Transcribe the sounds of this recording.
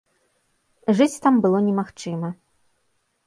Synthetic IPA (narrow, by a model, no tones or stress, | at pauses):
ʐɨt͡sʲt̪ambɨlˠɔnʲɛmaxt͡ʂɨmɐ